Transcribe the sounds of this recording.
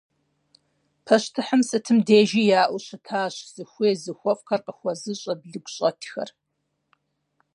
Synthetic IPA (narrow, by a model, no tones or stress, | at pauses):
pʰɐɕtʰɨħəmsɨtʰɨmdeːʒiːjaːʔʷʊɕɐtʰaːɕz̥ɨxʷeːzɨxʷɔfʼxɐrqʼəxʷɔzɨɕʼɐbɮɨɡʷɕʼɐtʰxɐ̰r